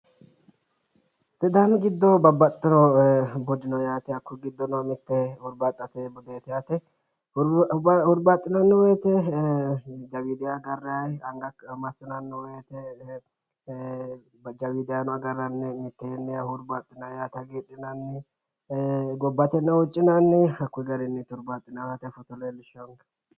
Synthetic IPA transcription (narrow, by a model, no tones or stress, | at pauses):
sɪd̪anɡɪd̪ːɔbɐbːɐt̪ʼːɪnɔbɔd͡ʒ̪ɪnɔjaːt̪ɛɐkːʊɡɪd̪ːɔnɔmɪt̪ːɛhʊɾbat̪ʼːɐt̪ɛbʊd̪eːt̪ɛjaːt̪ɛ | hʊɾbat̪ʼːɪnɐnːɛweːt̪ɛ | d͡ʒɐwiːd̪ɪjaɡɐrːajɐŋɡɐkmɐsɪnɐnːɛwɛt̪ɛ | d͡ʒɐwid̪ɪjanɔaɡɐrːɐnːɛmɪt̪ːɛnːɛɐhʊɾbaːt̪ʼːɪnajaːt̪ɐɡeᶑɪnanːɪ | ɡɔbːat̪ɛnːɛwʊt͡ʃʼːɪnanːɪɐkːʊɡɐɾɪnːɛt̪ʊɾbat̪ʼːɪnawhat̪ɛfɔt̪ɔlelɪʃoŋɡ